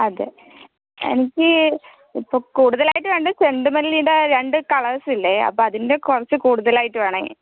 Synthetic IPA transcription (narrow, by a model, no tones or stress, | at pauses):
ɐðḛ | ḛnikʲːɨ | ipːoːkuːɽuðɐlaːjiʈ̬ːɨʋeːɳɖɨseɳɖɨmɐliliːɳɖaɾe̞ɳɖɨkɐɭɐsilːeɐ̰p̬ːoːɐðinde̞kurɐt͡ɕːɨkuːɽuðɐlaːjiʈːɨʋeːɳḛ